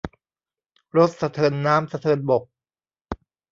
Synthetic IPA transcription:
ɾo˦˥t̪̚sa˧t̪ʰɤː˧nːaː˦˥msa˧t̪ʰɤː˧nbo˨˩k̚

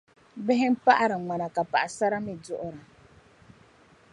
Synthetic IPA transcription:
bɛ˦ɦɛ˦m̩˦pa˦ʔa˦ɾa˨ŋ͡ma˨na˨ka˨pa˨ʔa˨sa˦ɾa˦mɪ˨dʊ˦ʔʊ˦ɾa˨

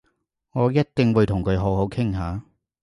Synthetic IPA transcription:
ŋɔː˨˧jɐ˥t̚t̪ɪ˧ŋwuː˨˧jt̪ʰʊ˨˩ŋkʰɵ˨˧ɥɦo˨˥who˨˥wkʰɪ˥ŋɦaː˨˧

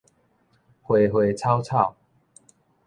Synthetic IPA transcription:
hwe˨˩ɦwe˨˩t͡sʰa˦wt͡sʰa˥˨ʊ

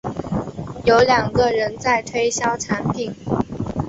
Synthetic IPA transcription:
jo˧˥ʊljɑ˨˩ŋɡə˧ɻə˧˥nt͡sa˥˩ɪt̪ʰwe˥ɪɕjɑ˥ʊʈ͡ʂʰa˧˥npʰi˨˩˦ŋ

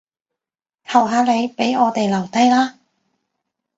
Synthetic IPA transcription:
k̪ʰɐ˨˩wɦaː˨˧le˨˧jpe˨˥jɔː˨˧t̪e˨jlɐ˨˩wt̪ɐ˥jlaː˥

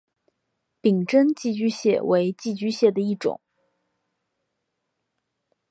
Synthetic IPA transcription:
pi˨˩ŋʈ͡ʂə˥nt͡ɕi˥˩t͡ɕy˥ɕjɛ˥˩we˧˥ɪt͡ɕi˥˩t͡ɕy˥ɕjɛ˥˩d̪ə˩i˥˩ʈ͡ʂʊ̰˨˩˦ŋ

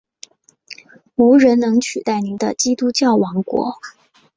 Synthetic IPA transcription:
u˧˥ɻə˧˥nnɤ˧˥ŋt͡ɕʰy˨˩t̪a˥˩ɪni˧˥nd̪ə̰˧t͡ɕi˥t̪u˥t͡ɕjɑ˥˩ʊwɑ˧˥ŋkwɔ̰˧˥

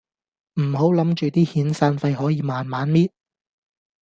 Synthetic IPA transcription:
m̩˨˩ho˨˥wlɐ˨˥mt͡ʃyː˨t̪iː˥hiː˨˥nsaː˧nfɐ˧jhɔː˨˥jiː˨˧maː˨nmaː˨˥nmiː˥t̚

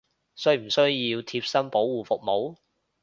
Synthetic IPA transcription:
sm̩˨˩sɵ˥ɥjiː˧wt̪ʰiː˧p̚sɐ˥mpo˨˥wːuː˨˩fʊ˨k̚mo˨˥w

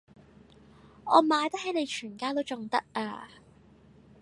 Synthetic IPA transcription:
ɔː˨˧maː˨˧jt̪ɐ˥k̚he˨˥jne˨˧jt͡ʃʰyː˨˩nkaː˥wt̪o˥wt͡sʊ˨ŋt̪ɐ̰˥k̚aː˧

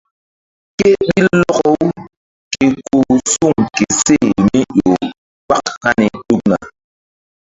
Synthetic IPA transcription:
ke˦ɓi˦lɔ˦kɔ˦w | ke˨ko˨su˦˨ŋke˨se˦˨mi˦jo˨ | k͡pa˦kka˦ni˨ɗu˦k̚na̰˨

